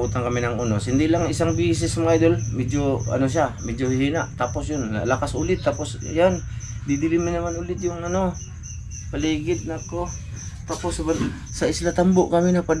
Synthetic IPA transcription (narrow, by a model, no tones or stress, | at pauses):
ut̪aŋkɐminaŋunosɪnd̪ɪlaŋisaŋbiːs̬ɪsmaŋajd̪olmɛd͡ʒoa̰nos̬iamɛd͡ʒohhiːnaʔt̪aposjona̰lakasʔulɪt̪ːaposjand̪id̪ɪlimɪnamanulɪt̪̚jʊŋano | paliːɡɪd̪̚nako | t̪aposban | saɪslat̪amboʔkaminapa